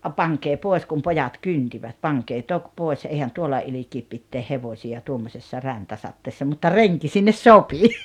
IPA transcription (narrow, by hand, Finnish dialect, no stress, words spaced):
pɑŋkeː poˑes kum pojɑt kyntiʋæt pɑŋkeː tok poˑes eihæn tuolːɑ ilikiːp pitːeːh heʋosʲiɑ tuomːosesːɑ ræntæsɑtːeːsːɑ mutːɑ reŋki sinːes sopi